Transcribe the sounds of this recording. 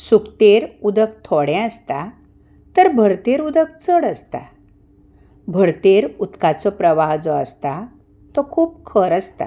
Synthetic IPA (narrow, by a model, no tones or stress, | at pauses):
sukt̪eɾud̪ək̚t̪ʰɔɽɛ̃əst̪a | t̪əɾbʱəɾt̪eɾud̪ək̚t͡səɽəst̪a̰ | bʱəɾt̪eɾut̪kat͡sɔpɾəʋaɦd͡zɔəst̪a | t̪ɔkʰuːp̚kʰəɾəst̪a̰